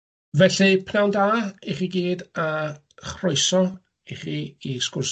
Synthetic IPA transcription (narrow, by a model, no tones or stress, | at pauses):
vɛɬipʰnawndaːiχiɡiːda | χrɔjsɔ | iχiiskʊrs